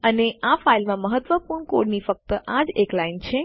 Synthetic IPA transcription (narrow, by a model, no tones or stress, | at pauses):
əneʔafailmãməɦət̪ʋəpuɾɳkoɖnifək̚t̪əʔad͡ʒeklaint͡ʃʰe